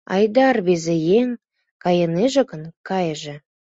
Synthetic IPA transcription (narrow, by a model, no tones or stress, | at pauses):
ɑ̰jd̪ɑrβezejeŋ | kɑjəneʒə̆kə̆nkɑjʒə̆